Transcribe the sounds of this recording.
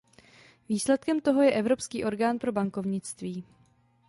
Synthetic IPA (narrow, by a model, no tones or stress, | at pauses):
viːslɛt̪̚kɛmt̪o̞ɦo̞jɛʔɛvɾo̞pskiːʔo̞ɾɡaːnpɾo̞baŋko̞vɲɪt͡st̪viː